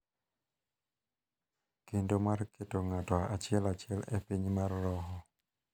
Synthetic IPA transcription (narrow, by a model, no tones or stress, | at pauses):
kendomarketoŋatɔaʔat͡ʃɪɛlat͡ʃɪɛlɛpiɲmarːɔɦɔ